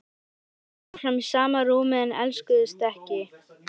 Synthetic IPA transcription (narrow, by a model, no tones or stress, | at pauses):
fɾamsaːmaɾuːmɪðanɛ̰lskʏðʏst̪ɛhcɪ